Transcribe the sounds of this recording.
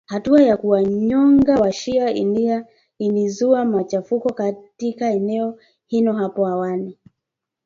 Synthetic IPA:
hatuajakuwaɲɔŋɡawaʃiaḭna | ilizuamat͡ʃafukɔkatikaɛnɛɔ | hinɔɦapɔawani

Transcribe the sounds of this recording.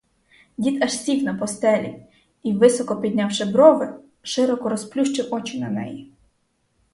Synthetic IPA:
dʲit̪ɐʃsʲiknɐpɔst̪ɛlʲḭ | iʋɪsɔkɔpʲid̪̚ʲnʲawʃɪbɾɔʋɪ | ʃɪɾɔkɔɾɔsplʲuʃt͡ʃɪwɔt͡ʃɪnɐnɛ̰ji

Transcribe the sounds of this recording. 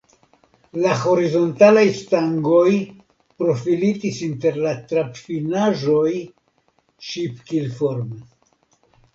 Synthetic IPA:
laxo̞ɾizo̞ntalajst̪aŋɡo̞j | pɾo̞filitisinte̞ɾlat̪ɾapfinaʒo̞j | ʃipkilfo̞ɾme

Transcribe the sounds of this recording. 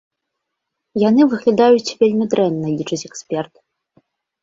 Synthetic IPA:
janɨvɨɣlʲad̪ajut͡sʲvʲelʲmʲid̪ɾɛnːɐlʲit͡ʂɨt͡sʲɛksʲpʲɛrt̪

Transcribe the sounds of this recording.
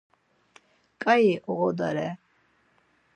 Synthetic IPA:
kʼaiʔɔɣɔd̪aɾɛ

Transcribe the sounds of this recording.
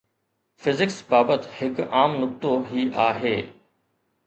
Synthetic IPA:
fɪzɪksbaːbət̪hɪkaːmnʊk̚t̪oɦiːʔaːɦeː

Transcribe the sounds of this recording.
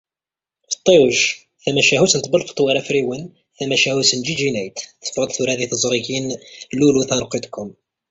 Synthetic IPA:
fə̥t̪ˤːewəʃ | θæmæʃæhusənt̪bəlfə̥t̪ːˤwəɾæfɾiwən | θæmæʃæhusənd͡ʒid͡ʒinæjt̪θə̥fɾˤəd̪ˤθuɾæðiθəzˤɾˤikinluluθɑɾˤqːid̪kːʊm

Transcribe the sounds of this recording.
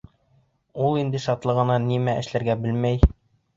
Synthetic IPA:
ulˠind̪ɘʃɒt̪lˠɤ̆ʁɤ̆nɑnimæʔɘ̆ʃlæɾɡæbɘlmæj

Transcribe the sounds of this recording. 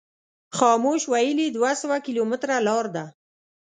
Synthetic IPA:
xɑmoʃwajəlid̪wasəwakilomɪt̪ɾalɑɾd̪a

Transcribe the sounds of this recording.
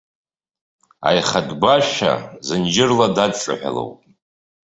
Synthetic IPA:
a̰jχadbaʃa̰zɨnd͡ʒɪrladadʈ͡ʂʼa̰ħʷᶣa̰lo̰wpʼ

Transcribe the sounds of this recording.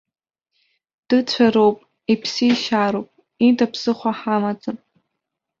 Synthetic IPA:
d̥ɨt͡ɕʷʰaɾowpʼ | ipʰsijʃaɾowpʼ | itʰʼapʰsɨχʷaħamad͡zʼɨrʼ

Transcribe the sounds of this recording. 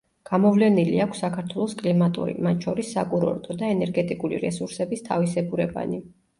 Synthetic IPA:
ɡ̥amɔvlɛniliakʰsːakʰaɾt̪ʰwɛlˠɔskʼlimat̪ʼṵɾḭmat̪t͡ʃʰɔɾisːakʼuɾɔ̰ɾt̪ʰʼɔd̪aɛnɛɾɡɛt̪ʼikʼulḭɾɛsuɾsɛbist̪ʰa̰visɛɡuɾɛba̰ni

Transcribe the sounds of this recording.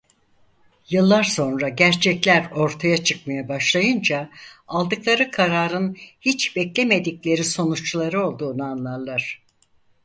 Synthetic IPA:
jɯlˠːaɾso̞nɾaɟæɾt͡ʃʰɛclʲæɾo̞ɾt̪ʰajat͡ʃʰɯk̚majabaʃlˠajɯnd͡ʒaalˠd̪ɯklˠaɾɯkʰaɾaːɾɯnhit͡ʃbɛclʲeme̞d̪iclʲe̞ɾiso̞nut͡ʃlˠaɾɯo̞lˠd̪uːnanlˠaɾlˠaɾ̥

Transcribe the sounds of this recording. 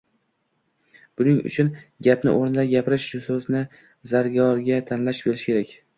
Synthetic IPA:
b̥ʊnɪŋʊ̰t͡ʃʰʊnɡʲapnɪ̰ʔoɾnɪlaɾɡʲapʰɪɾɪʃʃʊsɵznɪ | zaɾɡɒɾɡʲat̪ʰanlaʃbʲeɾɪʃɪkʲʰe̞ɾakʲ

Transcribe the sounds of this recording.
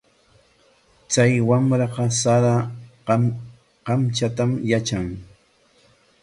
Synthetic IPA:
t͡sajwamɾɑqɑsaɾa | qɑmt͡ʃat̪amjat͡ʃaŋ

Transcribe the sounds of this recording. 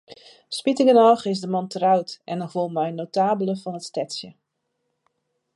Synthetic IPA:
spitɪŋənɔxɪsdəmɔntrœwtʔɛnəvulˠmɛjnowtaːbələfɔnətstɛtsjə

